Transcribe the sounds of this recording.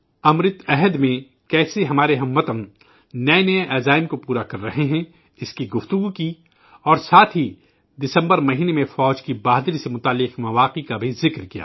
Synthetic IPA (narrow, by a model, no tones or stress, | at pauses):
ɐmɾɪt̪ɛɦəd̪mẽ | kɛːseɦɐmaːɾeɦɐmʋɐt̪ənː | ɐenɐʔɛːzaːɪmkopuːɾakɐɾːɐɦeɦɛ̃ | ɪskiɡʊft̪ʊɡuki | ɔːɾsaːt̪ʰɦi | d̪ɪsə̃mbəɾmɐɦiːnemẽfɔːd͡ʒkibaːɦd̪ɾisemʊt̪aːlːɪqmɐʋaːqikabʱizɪkɾkija̰ː